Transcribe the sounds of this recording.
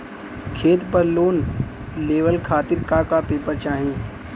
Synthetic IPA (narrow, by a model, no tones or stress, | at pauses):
kʰeːt̪pɐɾloːn | leːʋəlkʰaːt̪ɪɾkakapeːpəɾt͡ʃaːɦĩː